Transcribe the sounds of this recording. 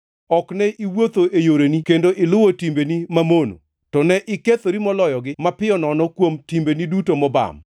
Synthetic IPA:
ɔknɛʔiwot̪oʔejoɾenikendoʔɪlʊwotimbenimamono̰ | tɔnɛʔɪket̪oɾimɔlɔjɔɡɪmapɪjɔnɔnɔkwomtimbenidutomɔba̰m

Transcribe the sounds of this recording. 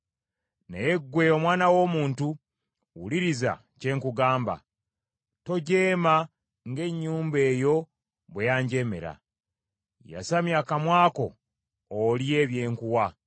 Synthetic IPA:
nejeɡːwe̞o̞mwaːnawo̞ːmuːntu | wuliɾiza̰ | ce̞ːŋkuɡaːmba̰ | to̞ɟe̞ːma | ŋɡe̞ɲːuːmbe̞ːjo̞ | βwejaːɲɟe̞me̞̰ɾa̰ | ja̰samjaːkamwaːko̞ː | lie̞ːβje̞ːŋkuwa

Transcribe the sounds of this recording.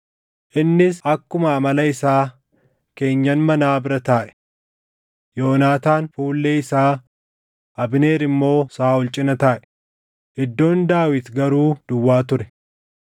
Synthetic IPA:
ʔɪnːɪsɐkːʊmɐːmɐlɐɪsaː | ke̞ːɲːɐnmɐnaːbɪɾɐt̪aːʔɛ̥ | jo̞ːnaːt̪aːnfuːlːeːɪsaː | ʔɐbɪne̞ːɾɪmːo̞ːsaːʊlt͡ʃʼɪnɐt̪aːʔɛ̥ | ɪd̪ːo̞ːnd̪aːwɪt̪ɡɐɾuːd̪̥ʊwːaːt̪ʊɾɛ

